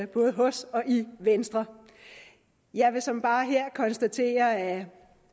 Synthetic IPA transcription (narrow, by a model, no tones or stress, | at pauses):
əb̥ɔ̽ːð̞̩ˠɦɒ̽sɒ̽ʔiʋensd̥ʁɐ | jɑɪʋe̝sɒ̽mb̥ɑ̈ːɦeɐ̰kʰɒ̽nsd̥æt͡sʰe̝̰ːɐæ